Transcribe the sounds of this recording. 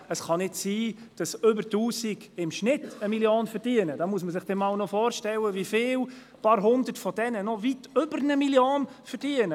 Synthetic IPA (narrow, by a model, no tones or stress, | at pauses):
əsχɑnɪdsiːd̥ɑsʏbəɾtuːsiɡɪmʃnɪtəmiljoːnfəɾd̥iənəd̥ɑːmuəs̬məsɪχd̥ɛnawnɔfɔːɾʃtɛləʋifɪːl | pɑɾɦʊndətfɔdɛnənɔvitʏbəɾnəmiljoːnfəɾd̥iənə